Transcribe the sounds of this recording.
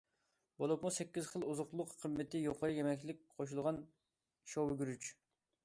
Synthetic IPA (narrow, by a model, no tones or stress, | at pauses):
bolˠupmusɛkʲːizχəlˠuzʊqlˠʊqːʰəmːɪt̪ɪjoqʰəɾɨjɛmɛkʲlɪk̚ʲqʰoʃ̬ulˠʁɑn | ʃowɡʲyɾyt͡ʃ